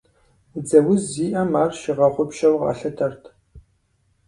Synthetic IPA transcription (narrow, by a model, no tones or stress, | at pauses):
d͡zɐwʊzːiːʔɐmaːrʃɪʁɐχʷʊpʃɐwʁɑ̰ːɬɐtʰɐrtʰ